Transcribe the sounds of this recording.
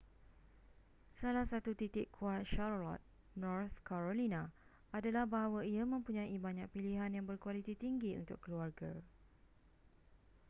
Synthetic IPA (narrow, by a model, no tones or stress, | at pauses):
salahsat̪ut̪it̪ɪkkʰːuat̪̚ʃarlɔ̰t̪̚ | nɔrθkaɾolina | adalahbaɦawaiamə̃mpuɲãibaɲak̚piliɦanjaŋbərkualit̪it̪iŋɡiṵnt̪ʊkːəluarɡa